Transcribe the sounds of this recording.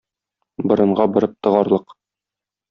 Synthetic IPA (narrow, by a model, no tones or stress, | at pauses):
bɤ̆ɾɤ̆ɴɢɑbɤ̆ɾɤp̚t̪ɤ̆ʁɑɾlˠɤq